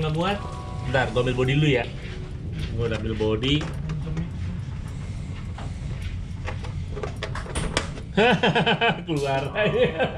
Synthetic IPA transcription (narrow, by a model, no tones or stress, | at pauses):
ŋabuat̪̚ | darɡamɪlbodiluja | ɡodamilbodi | ha | kuluara